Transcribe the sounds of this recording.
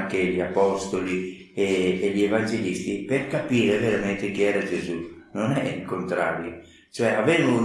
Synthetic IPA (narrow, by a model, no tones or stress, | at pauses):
ŋkeʎiapɔst̪oli | eːʎievand͡ʒelist̪iperkapiːɾeveɾament̪ek̟iɛːɾad͡ʒezunonɛiŋkont̪ɾa̰ːɾjo | t͡ʃoɛavɛnu